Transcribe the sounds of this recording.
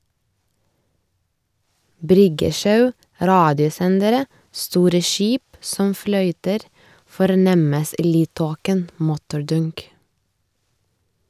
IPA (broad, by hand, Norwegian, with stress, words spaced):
ˈbɾʏɡəˌʃɑʉ ˈɾɑːdɪʊˌsɛndəɾə ˈstuːɾə ˈʃiːp ˈsɔm ˈflœʏtəɾ fɔɾˈnɛməs ˈiː ˈlyːdˌtoːkən ˈmʊtʊɾˌdʊŋk